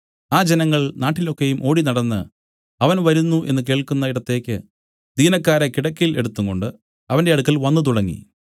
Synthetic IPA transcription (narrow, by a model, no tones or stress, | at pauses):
aːd͡ʑenɐŋːɐɭnaːʈːilokːe̞jumʔo̞ːɽinɐɽɐnːɨ̰ | ɐʋɐnʋɐɾunːuʔe̞nːɨk̬e̞ːɭkunːɐiɽɐt̪ːe̞ːkʲːɨ | d̪iːnɐkːaːɾɐkiɽɐkʲːile̞̰ɽut̪ːuŋko̞ɳɖɨ | ɐʋɐnde̞ɐɽukːɐlʋɐnːɨt̪̬uɽɐŋːḭ